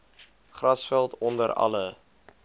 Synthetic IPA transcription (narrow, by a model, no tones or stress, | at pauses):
χrɐsfɛlˠtɔndəɾɐ̰lə